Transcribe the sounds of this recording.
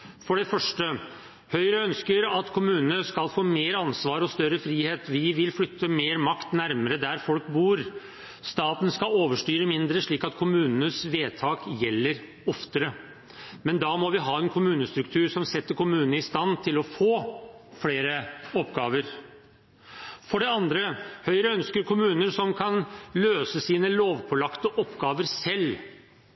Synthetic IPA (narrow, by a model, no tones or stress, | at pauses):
fɔɖɛfœʂʈə | hœʏɾəœnskəɾɑt̪kʰʊmʉːnənəskɑlfoːmeːɾɑnsʋɑːɾɔst̪œɾəfɾiːheːt̪ʋɪʋɪlflʏt̪ʰːəmeːɾmɑkt̪næɾməɾəd̪æɾfɔlkbuːɾ | st̪ɑːt̪n̩skɑoːʋəʂʈyːɾəmɪnd̪ɾəʂɭiːkɑt̪kʰʊmʉːnənəsʋeːt̪ʰɑːkjɛlːəɾ | ɔft̪əɾə | mɛnd̪ɑmɔʋɪɦɑːɛnkʰʊmʉːnəst̪ɾʉkt̪ʰʉːɾʂɔmsɛt̪ːəɾkʊmʉːnənəɪst̪ɑnt̪ʰɪlɔfoːfleːɾəɔpːɡɑːʋəɾ | fɔɖɛɑnd̪ɾəhœʏɾəœnskəɾkʰʊmʉːnəɾsɔmkʰɑnløːsəsiːnəloːʋpʰɔlɑkt̪əʔɔpːɡɑːʋəɾsɛlː